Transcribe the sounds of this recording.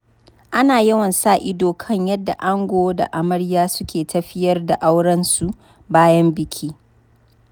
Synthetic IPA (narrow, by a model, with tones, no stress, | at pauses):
ʔa˦naː˨jɐ˦wɐ˨nsaː˦ʔɪ˦doː˨kʰɐ˦ɲjɐ˦dːa̰˨ʔa˦ŋɡʷoː˦da̰˨ʔa˨mɐ˦ɽjaː˦sʊ˦kʲeː˨tɐ˦ɸɪ˦jɐ˦rda˨ʔa˦wɽɐ˦nsu˨ | baː˦jɐ˦mbɪ˨kʲʰiː˦